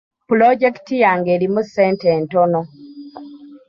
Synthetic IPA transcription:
plɔd͡ʒɛktijaŋɡelimusɛntɛntɔnɔ

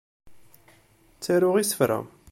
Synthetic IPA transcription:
t͡sːæɾʊʁisə̥fɾæ̰

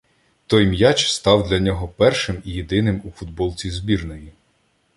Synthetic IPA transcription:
t̪ɔjmjat͡ʃst̪ɑwd̪lʲɐnʲɔɦɔpɛrʃɪmijed̪ɪnɪmufʊd̪̚bɔlˠt͡sʲizbʲirnɔji

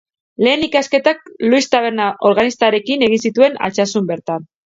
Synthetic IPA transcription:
le̞ːnikaske̞t̪ak̚luist̪aβe̞ɾnaʔo̞ɾɣanist̪aɾe̞kine̞ɣ̞insit̪ue̞na̰t͡ʃasumbe̞ɾt̪an

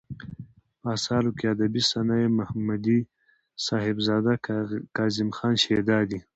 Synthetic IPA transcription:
aːsɑːlukead̪abisanaemahmad̪i | sɑːhɪbzɑːd̪akɑːzɪmxɑːnʃed̪ɑːd̪i

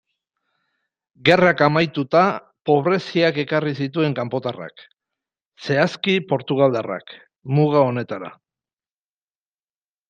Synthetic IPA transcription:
ɡe̞rakamajt̪ut̪a | po̞β̞ɾe̞siake̞karisit̪ue̞ŋkampo̞t̪ara̰k | se̞askipo̞ɾt̪uɣ̞ald̪ara̰k | muɣao̞ne̞t̪aɾa̰

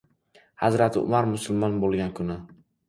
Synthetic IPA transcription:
hazɾat̪ʰɪʊ̰maɾmʊsʊlˠmɒnbolˠɡʲankʰʊnɪ

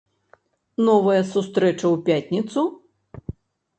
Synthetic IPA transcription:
nɔvɐjɐsust̪ɾɛt͡ʂɐwpʲatʲnʲit̪su

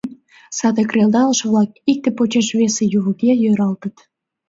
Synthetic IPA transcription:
sɑd̪əkreld̪ɑləʃβlɑk̚ik̚t̪epot͡ɕeʃβesejuβəkejøɾɑlt̪ət̪

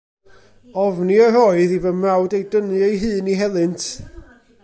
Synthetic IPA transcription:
ɔvniəroɨðivənmrawdejdənɨejɦɨːniɦɛlˠɨntʰ

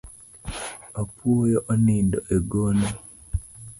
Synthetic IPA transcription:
apuojoʔoniːndo̰ʔeɡona

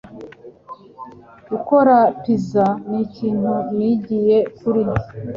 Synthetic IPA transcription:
ɡuko̞ɾapizaniciːnuɲiɟije̞kuɾi

